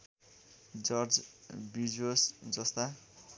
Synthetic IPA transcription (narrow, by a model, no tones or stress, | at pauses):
d͡zʌrd͡zbid͡zosd͡zʌst̪a